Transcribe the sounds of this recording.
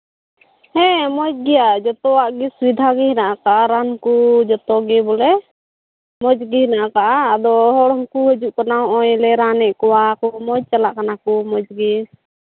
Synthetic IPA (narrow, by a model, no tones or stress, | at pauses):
hɛ̃mɔd͡ʒ̚ɡɛjad͡ʒɔt̪ɔwaʔɡiswid̪ʱaɡɛhinaʔakaʔaɾankud͡ʒɔt̪ɔɡɛbɔlɛ | mɔd͡ʒɡihinaʔakaʔaːd̪ɔɦɔɽɔmkuhəd͡ʒuʔkanaɔjlɛɾanɛʔkɔwakɔmɔd͡ʒ̚t͡ʃalaʔkanakumɔd͡ʒɡɛ